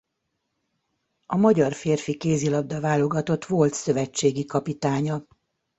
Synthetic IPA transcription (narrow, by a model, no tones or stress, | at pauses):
ɒmɒɟɒrfeːrfikeːzilɒb̚d̪ɒvaːlo̞ɡɒt̪o̞t̪ʋo̞lt̪sø̞vɛt͡ʃːeːɡikɒpit̪aːɲɒ